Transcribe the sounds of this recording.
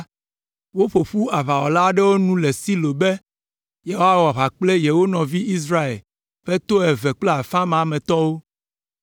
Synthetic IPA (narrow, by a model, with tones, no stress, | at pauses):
wo˦ɸo˨ɸu˦a˨βa˨wɔ˨la˦ɖɛ˦wo˦nũ˦lɛ˨si˦lo˨be˦ | je˨ɦo˦a˦wa˨βa˨k͡ple˦jɛ˨wo˦nɔ̃˨vi˦i˦s̬ɾa˦ḛ˨l | ɸɛ˦t̪o˦ɛ˨vɛ˨k͡ple˦a˨fã˦m˨a˨mɛ̃˨t̪ɔ˦wo˦